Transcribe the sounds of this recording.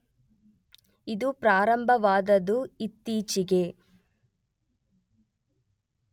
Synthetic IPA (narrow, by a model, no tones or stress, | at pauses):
id̪upɾaːɾɐmbʱɐʋaːd̪ɐd̪uit̪ːiːt͡ʃiɡe